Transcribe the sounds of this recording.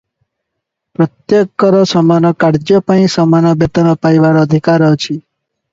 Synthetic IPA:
pɾɔt̪jekːɔɾɔsɔmanɔkaɾd͡ʒjɔpãĩsɔmanɔbjet̪ɔnɔpaiʋaɾɔːd̪ʱikaɾɔt͡ʃʰi

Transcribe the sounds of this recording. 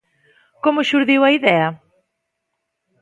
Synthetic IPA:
komʊʃuɾðiwɐiðɛɐ

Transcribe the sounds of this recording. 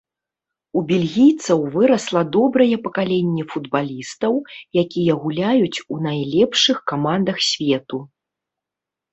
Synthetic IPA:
ubʲilʲɣʲijt̪sɐwvɨɾɐslˠɐd̪ɔbɾɐjɛpɐkalʲɛnʲːɛfud̪balʲist̪ɐwjakʲijɐɣulʲajut͡sʲunajlʲɛpʂɨxkamand̪ɐxsʲvʲɛt̪u

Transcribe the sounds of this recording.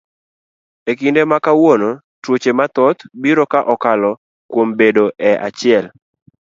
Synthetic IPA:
ekindemakawono | twot͡ʃemat̪ɔt̪biɾɔkaʔɔkalɔ | kwombedoʔɛʔa̰t͡ʃɪɛl

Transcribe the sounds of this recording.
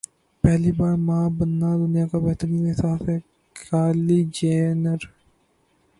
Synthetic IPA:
pɛɦlibaːɾmabənːaːd̪ʊnɪjaːkabɛɦt̪əɾikeɪsaːfɛ | kʰaːlid͡ʒeːnəɾ

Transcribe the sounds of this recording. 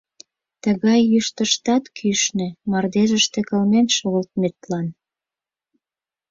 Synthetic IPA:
t̪əɣɑjːyʃt̪əʃt̪ɑt̪kʰyʃnĕmɑrd̪eʒə̆ʃt̪ĕkə̆lmenʃoɣəlt̪̚met̪lɑn

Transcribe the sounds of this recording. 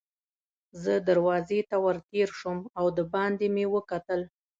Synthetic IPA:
zəd̪aɾwɑzet̪awəɾt̪eɾʃumawd̪əbɑnd̪emewəkat̪əl

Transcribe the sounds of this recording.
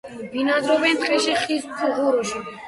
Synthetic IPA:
vinazɾɔbɛnt̪ʼqʼɛʃiχissʰuʁuɾuʃi

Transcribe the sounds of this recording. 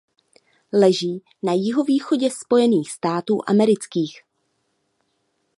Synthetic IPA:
lɛʒiː | najɪɦo̞viːxo̞ɟɛspo̞jɛniːxspt̪aːt̪uːʔa̰mɛɾɪt͡skiːx

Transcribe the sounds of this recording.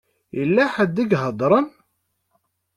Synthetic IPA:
jəlːæħad̪ːiɡɦəd̪ˤɾˤən

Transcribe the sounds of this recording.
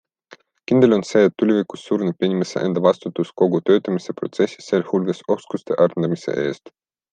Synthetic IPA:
kind̪̥e̞lo̞nse̞ːet̪ːulʲivikusːuːɾnepːinʲimeseʔḛnd̪̥ɑvɑst̪ut̪ːˑusko̞ɡut̪ø̞ːt̪ːˑɑmise̞pro̞̰t̪se̞sʲi̥seːlhulɡeso̞skust̪e̞̰ʔɑrnd̪ɑmisḛʔe̞ːst̪

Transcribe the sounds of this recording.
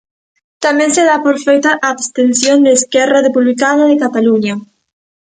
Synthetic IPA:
t̪amẽnseðapoɾfejt̪aʔaːβst̪ensjond̪eːskɛraðepuβlikanaðekat̪aluɲa

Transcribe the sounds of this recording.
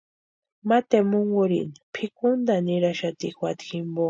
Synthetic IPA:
mat̪emuŋɡuɾḭnpʰikʊnd̪aniɾaʃat̪ixwat̪ximbo

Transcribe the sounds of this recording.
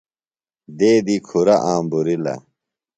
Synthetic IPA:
d̪eːd̪iːkʰuɾɐʔaːmbuɾilɐ̰

